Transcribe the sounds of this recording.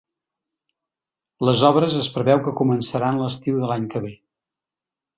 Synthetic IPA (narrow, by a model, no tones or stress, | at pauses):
ləzɔβɾəzəspɾəβɛwkəkumənsəɾanləst̪iwðəlaɲkəβe